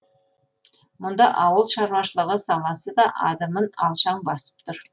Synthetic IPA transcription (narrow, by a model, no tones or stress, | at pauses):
mʊnd̪ɑʔɑwəlˠʃɑɾwɑʃəlˠəʁəsɑlˠɑsəd̪ɑʔɑ̰d̪ɑmənɑlˠʃɑɴbɑsə̥p̚t̪ʰʊɾ